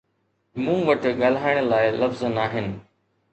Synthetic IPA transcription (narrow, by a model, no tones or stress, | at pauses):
mũːʋəʈɠaːl̤aːɪɽ̃əlaːɪlɐfzənaːɦɪnɪ̆